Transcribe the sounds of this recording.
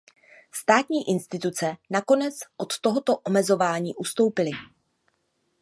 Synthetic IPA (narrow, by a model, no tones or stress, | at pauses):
st̪aːt̪ɲiːʔɪnst̪ɪt̪ut͡sɛnako̞nɛt͡sʔot̪ːo̞ɦo̞t̪o̞ʔomɛzo̞vaːɲiːʔust̪o̞wpɪlɪ